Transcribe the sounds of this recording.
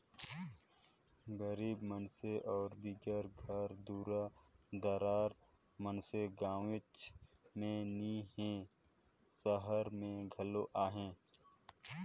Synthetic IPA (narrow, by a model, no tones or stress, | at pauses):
ɡəɾiːbmənseʔɔːɾbiɡəɾɡʱəɾd̪uːɾad̪əɾaːɾ | mənseɡaːwɪt͡ʃ | mẽniɦẽ | səɦəɾmẽɡʱəloʔaːɦẽː